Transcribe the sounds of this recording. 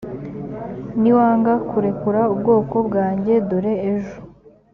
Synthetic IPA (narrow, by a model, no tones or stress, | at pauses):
niwaːŋɡakuɾe̞kuɾaubɡo̞ːko̞bɡaːɲɟe̞doɾe̞ːʒu̥